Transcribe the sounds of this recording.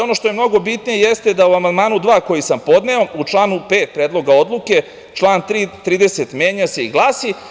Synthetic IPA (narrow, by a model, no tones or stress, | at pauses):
o̞no̞ʃt̪o̞jemno̞ɡo̞bit̪nijejest̪e̞d̪auamand̪maːnud̪ʋaːko̞jisampo̞d̪neout͡ʂlˠaːnupeːt̪̚pɾeːd̪lo̞ɡao̞d̪lˠuke̞ | t͡ʃlˠaːnt̪ɾit̪ɾiːd̪eset̪mjeːɲase̞iɡlˠaːsi